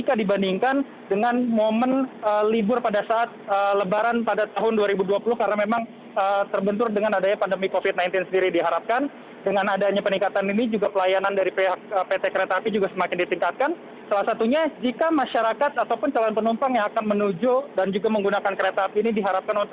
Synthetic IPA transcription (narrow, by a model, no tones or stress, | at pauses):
ikadibandiŋkan | dəŋanmomənəlibʊrpadasaʔːt̪̚ələbaɾanpadat̪aɦʊnduaɾibuduapulʊhkaɾnamemaŋ | ət̪ərbənt̪ʊrdəŋanadaɲapandəmikofɪt̪̚najnt̪ɪnsəndiɾidiɦaɾap̚kan | dəŋanadaɲapəniŋkat̪aninid͡ʒuɡapəlajanandaɾipeɦak̚əpet̪ekəɾeat̪apid͡ʒuɡasəmakɪndit̪iŋkat̪̚kan | salahsat̪uɲad͡ʒikamaʃaɾakat̪at̪awpʊnt͡ʃalanpənumpaŋjaŋakanmənud͡ʒodand͡ʒuɡaməŋɡunakankəɾat̪aapiːnidiɦaɾap̚kanunt̪